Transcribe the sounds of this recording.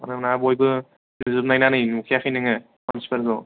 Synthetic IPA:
a̰namnabojbɯ | nɯzɯbnajnanɯjnukʰijakʰɯjnɯŋɯ | mansi̥pʰeɾdɔ

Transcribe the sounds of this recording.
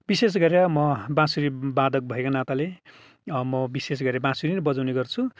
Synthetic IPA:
bises̬ɡʌɾjʌmʌbãsuɾibad̪ʌk̚bʱʌekanat̪ale | mʌbises̬ɡʌɾjabãsuɾiɾbʌd͡zawneɡʌrt͡sʰu

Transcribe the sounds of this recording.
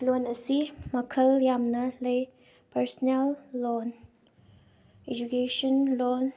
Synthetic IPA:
lonɐsimɐkʰɐljamnɐlɐj | pɐɾsnelːon | ed͡ʒukesɔnlɔn

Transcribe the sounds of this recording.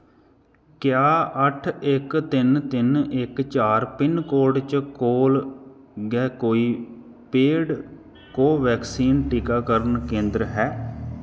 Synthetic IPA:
kjaːəʈʰɪkt̪ɪnt̪ɪnɪkt͡ʃaːɾpɪnkoːɖt͡ʃkoːl | ɡɛːkoːiː | peːɽ | koːʋɛːksiːnʈikaːkəɾənkẽːnd̪ɾɦɛː

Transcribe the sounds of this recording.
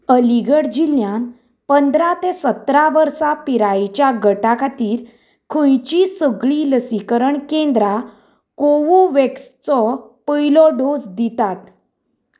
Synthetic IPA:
əliɡəɽd͡ʑiljãn | pənd̪ɾat̪esət̪ɾaʋəɾsapiɾajt͡ɕjaɡəʈakʰat̪iːɾ | kʰə̃jt͡ɕisəɡɭiləsikəɾəɳkẽnd̪ɾa | koʋuʋekst͡sɔpəjlɔɖosd̪it̪at̪

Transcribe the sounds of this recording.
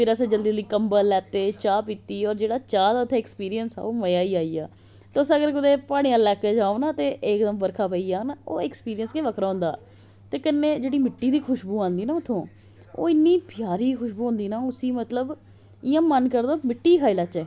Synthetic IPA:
pʰɪɾəsẽːd͡ʒəld̪iːd̪iːkəmbəlɛːt̪eːt͡ʃaːpiːt̪iːɔːɾd͡ʒeːɽaːt͡ʃaːd̪aːʊt̪ʰːẽːɛkspiːɾijənsa̰ːoːməjaːiːaːiːa̰ː | t̪eʊsəɡəɾkʊd̪eːpaːɽ̃ĩjãːlɛːkeːd͡ʒaːonãːt̪eːʔɪːkd̪əmbəɾkʰaːpəiːaːnaːo̰ːɛkspiːɾijənskeːʋəkʰɾaːɦʊ̃nd̪aː | t̪eːkənːeːd͡ʒeːɽiːmɪʈːiːd̪iːkʰʊʃbuːãːnd̪iːnaːʊt̪ʰːõː | o̰ːɪnːiːpɪjaːɾiːkʰʊʃbuːɦʊ̃nd̪iːnaːʊsiːmət̪ləb | ɪjãːmənkəɾd̪oːmɪʈːiːkʰaːiːlaːt͡ʃɛː

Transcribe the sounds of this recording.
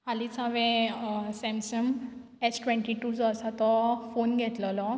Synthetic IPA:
ɦalit͡sãʋɛ̃sɛ̃msəm | ɛsʈʋɛ̃ɳʈiʈud͡zɔəsat̪ɔfonɡʱɛt̪lɔlɔ

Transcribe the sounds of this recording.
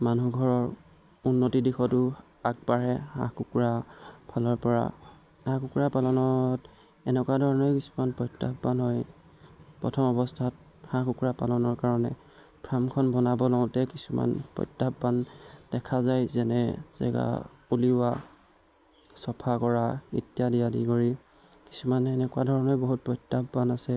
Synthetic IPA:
manuɡʱɔɹɔɹ | unːotidixɔtʊ | ak̚baɹɛhã̰kukɹapʰalɔɹpɔɹa̰ | ãkukɹapalɔnɔt | ɛnɛkwadʱɔɹɔnɔɹkisu̥manpɔjtːabbanɦɔj | pɹɔ̰tʰɔmɔbɔstʰat̚ | hãkukɹapa̰lɔnɔɹkaɹɔnɛ | pʰɹamkʰɔnbɔnabɔlɔʊ̃tɛkisuma̰npɹɔ̰jtːapbandɛkʰazajzɛnɛz̥ɛ̰ɡa̰ | uliwa | sɔpʰakɔɹaḭtjadijadikɔɹi | ki̥sumanɛnɛkwadʱɔɹɔnɔɹboɦut̚pɔjtːapbanasɛ

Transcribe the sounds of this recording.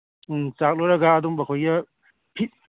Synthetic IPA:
t͡ʃak̚loɾɐɡaːduŋbɐkʰojɐ | pʰi

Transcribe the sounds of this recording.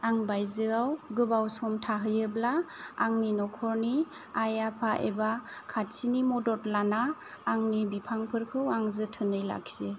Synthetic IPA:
aŋbajzɯawɡɯbawsɔmtʰaɦɯjɯblaːŋninɔkʰɔɾni | ajapʰaʔḛbakʰat̚sinimɔdɔtlanaː | ŋnibipʰaŋpʰɯɾkʰɯwaŋzɯtʰɯnɯjla̰k̚se

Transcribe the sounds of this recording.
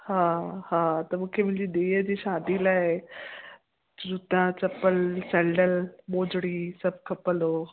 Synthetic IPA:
hãhãt̪əmukʰemild͡ʑid̪ejəd͡ʑiːɕad̪iːlaɦe | ɾut̪at͡səpəlsɛɳɖəlmod͡ʑɽiːsəb̚kʰəpəlo

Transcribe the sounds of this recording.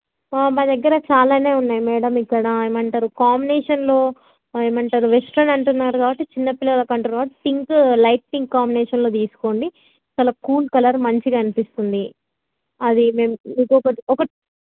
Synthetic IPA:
maːd̪ɐɡːɐɾɐt͡ʃaːlaːne̞ːunːaːjimɛːɽɐmikːɐɽɐeːmɐɳʈaːɾukaːmbinɛːʂɐnlo̞ː | eːmɐɳʈaːɾuʋesʈɾɐnɐɳʈunːaːɾukaːbɐʈːit͡ʃinːɐpilːɐlɐkɐɳʈunɐbɐʈpiŋklɐjʈ̚piŋkːaːmbinɛːʂɐnloːt̪̬iːsu̥ko̞ːɳɖi | t͡ʃɐːlɐkuːlkɐlɐɾmɐɲt͡ʃiɡɐnipist̪und̪i | ɐd̪imeːmniːkuɔkɐɔkɐ

